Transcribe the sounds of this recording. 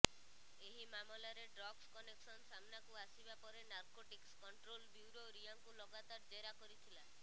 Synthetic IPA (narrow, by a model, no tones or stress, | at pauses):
eɦimamɔlaɾeɖɾɔɡskɔneksɔnsamnakuasibapɔɾenaɾkoʈikskɔɳʈɾolbjuɾoɾiaŋkulɔɡat̪ɔɾd͡ʒeɾakɔɾit̪ʰila